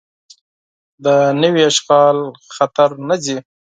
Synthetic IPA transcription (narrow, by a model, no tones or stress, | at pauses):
d̪ənəwiaʃɣɑlxat̪aɾnazi